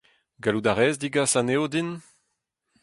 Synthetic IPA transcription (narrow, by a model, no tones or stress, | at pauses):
ɡalud̪aʁɛːzdiɡasaneodin